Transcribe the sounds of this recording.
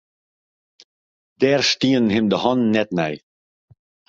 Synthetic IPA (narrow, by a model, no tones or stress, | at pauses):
d̪̥ɛːɾʃtiːənhɪmd̪əhɑnːɛt̪næj